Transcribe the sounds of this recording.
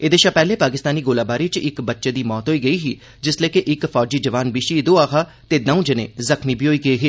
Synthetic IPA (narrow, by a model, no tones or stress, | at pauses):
eːd̪eːʃapɛːleːpaːk̬ɪst̪aːniːɡoːlaːbaːɾiːt͡ʃɪkbətːʃeːd̪iːmɔːt̪ɦoːiːɡəiːɦiː | d͡ʒɪsleːkeʔɪkpʰɔːd͡ʒiːd͡ʒəʋaːnbɪʃiːd̪oːaːkʰaː | t̪eːnəũːd͡ʒɪnḛ̃ːzəkʰniːbiːoːiːɡəiːɦiː